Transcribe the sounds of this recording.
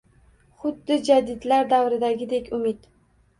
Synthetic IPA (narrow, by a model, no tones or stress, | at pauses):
χʊd̪ːɪd͡ʒad̪ɪd̪laɾd̪awɾɪd̪aɡʲɪd̪ekʲʊmɪd̪